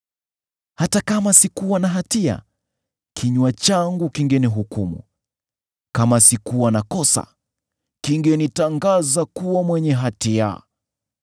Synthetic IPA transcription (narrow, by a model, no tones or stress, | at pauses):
hatakamasikuwanaɦatia̰ | kʰiɲwat͡ʃaŋɡukiŋɡɛniɦukumṵ | kamasikuwanakɔsa̰ | kiŋɡɛnitaŋɡazakuwamwɛɲɛɦatia̰